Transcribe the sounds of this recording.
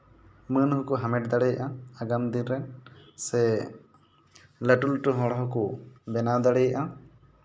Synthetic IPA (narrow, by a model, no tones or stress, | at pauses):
mənɦɔkɔɦamɛʈ̚d̪aɽɛjʔaaɡamd̪inɾɛnsɛ | ləʈulʈɔɦɔ̃ɽɦɔkɔbɛnad̪aɽɛjaʔa